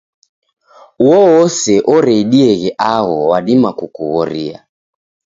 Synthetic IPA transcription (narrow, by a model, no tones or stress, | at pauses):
uɔwɔsɛʔɔɾɛiɗiɛɣɛʔaɣɔwaɗimakukuɣɔɾia̰